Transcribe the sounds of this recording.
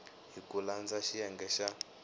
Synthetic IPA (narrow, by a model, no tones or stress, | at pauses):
ɦikuland͡zaʃijɛŋɡɛʃa